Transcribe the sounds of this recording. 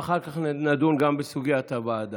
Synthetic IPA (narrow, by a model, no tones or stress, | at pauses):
aχaʁkaχnad̪unɡambesuɡiat̪abaːd̪a